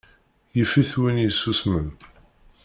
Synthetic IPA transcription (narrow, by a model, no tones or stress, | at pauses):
jəfiθwinjəsːusmən